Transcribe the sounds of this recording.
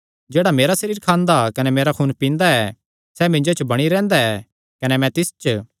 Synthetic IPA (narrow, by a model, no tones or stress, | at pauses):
d͡ʒeːɽameːɾasɐɾiːɾkʰãːnd̪akɐnɛmeːɾakʰuːnpĩːnd̪aɛ | sɛmɪ̃ɲd͡ʒot͡ʃbɐɽ̃iɾɛ̃ːnd̪aɛ | kɐnɛmɛ̃t̪ɪst͡ʃ